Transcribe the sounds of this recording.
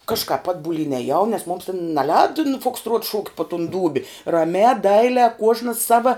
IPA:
kɐʃkɑːp ˈɑːdbʊlʲiːn ɛˈjɛʊ nʲɛs mʊms tʲɛn nʲɛˈlʲɛːdɐ nʊ fʊksˈtruɔt ʃuːktʲ poː tʊn ˈduːbʲɪ rɐˈmʲæː ˈdɐɪlʲæː ˈkuɔʒnɐs ˈsɑːʋɐ

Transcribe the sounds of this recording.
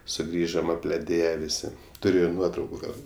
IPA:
sʊˈɡrʲiːʒoːm ɐpʲlʲɛˈdʲeːjɛ ˈʋʲɪsʲɪ ˈtʊrʲʊ ɪr ˈnuɔtrɐʊkʊ ˈɡɐlˠ

